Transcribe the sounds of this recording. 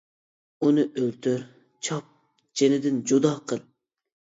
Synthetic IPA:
unɨʔølt̪ʰyɾ | t͡ʃʰɑp̚ | d͡ʒenɪd̪ɪnd͡ʒud̪ɑːqʰəlˠ

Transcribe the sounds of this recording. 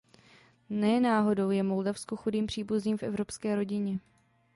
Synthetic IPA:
nɛːnaːɦo̞do̞wjɛmo̞ldafskoxudiːmpr̝̥iːbuzniːmfʔɛvɾo̞pskɛːɾo̞ɟɪɲɛ

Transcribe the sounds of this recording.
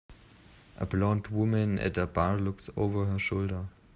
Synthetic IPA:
ʔə̰blɔ̃ndwʊmə̃nɨ̰t̚ðəbaɹlʊkso̰ʊvə˞ɦəʃoldə˞

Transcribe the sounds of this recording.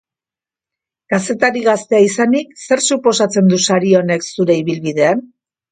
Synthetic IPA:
ɡ̥ase̞t̪aɾiɣast̪e̞aisanikse̞rsupo̞sat͡se̞nd̪usaɾio̞ne̞ksuɾe̞iβilβiðe̞an

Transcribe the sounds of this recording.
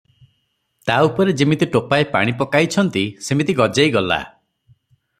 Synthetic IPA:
t̪aupɔɾed͡ʒimit̪iʈopaepa̰ɽ̃ipɔkajt͡ʃʰɔnt̪isemit̪iɡɔd͡ʒajɡɔla̰

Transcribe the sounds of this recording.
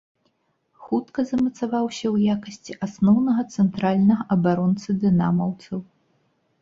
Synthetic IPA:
xut̪kɐzɐmɐt̪savawsʲɐwjakɐsʲt͡sʲiʔasnɔwnɐɣɐt̪sɛnt̪ɾalʲnɐɣɐʔɐbaɾɔnt̪sɨd̪ɨna̰mɐwt̪sɐw

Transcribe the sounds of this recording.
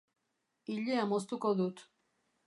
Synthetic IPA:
iʎeamost̪ukoðut̪

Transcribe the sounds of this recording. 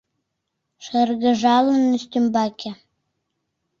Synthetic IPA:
ʃerɣə̆ʒɑlə̆nyst̪ymbɑkʲe

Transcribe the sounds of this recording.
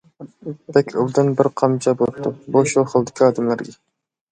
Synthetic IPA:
bɛkʲʰuld̪ɨnbɪɾqʰɑmt͡ʃʰɑbolˠɨp̚t̪ʰubuʃuχəlˠd̪ɪ̥kʲʰiɑːd̪ɪmlæɾɡʲɛ

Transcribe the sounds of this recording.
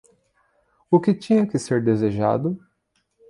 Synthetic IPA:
ʊkɪt͡ʃĩɲɐkɪseɾd̪ezeʒa̰d̪ʊ

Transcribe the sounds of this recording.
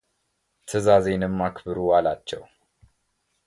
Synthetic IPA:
t̪ʰəzaze̞nɨmːakʰbɨɾuwalat͡ʃːɛw

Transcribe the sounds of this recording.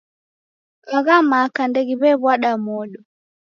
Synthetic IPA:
ʔaɣamakandeɡiβɛβwaɗamɔːɗɔ

